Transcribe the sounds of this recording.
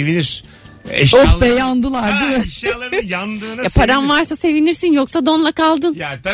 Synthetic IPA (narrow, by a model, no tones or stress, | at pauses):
eviniɾ | ʃobɛjand̪ɯlˠaɾd̪ɯiʃlˠaɾjand̪ɯjapʰaɾanvaɾsase̞viniɾsinjoksad̪o̞nlˠakalˠd̪ɯnj̪